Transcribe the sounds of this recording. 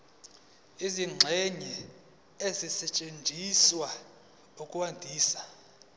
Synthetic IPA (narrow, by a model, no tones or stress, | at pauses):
iziŋ͡ǁʱɛɲɛ | ezisɛt͡ʃʼend͡ʒʱiswa | ukʼuwandʱiːsḁ